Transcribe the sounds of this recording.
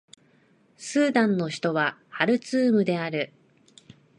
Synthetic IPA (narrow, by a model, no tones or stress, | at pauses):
sɨːd̪ãnːo̞çi̥t̪o̞βahaɾɯ̟t͡sɨːmɯ̟d̪e̞aɾɯ̟